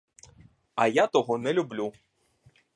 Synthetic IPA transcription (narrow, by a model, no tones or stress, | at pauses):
ɐjat̪ɔɦɔnɛlʲublʲu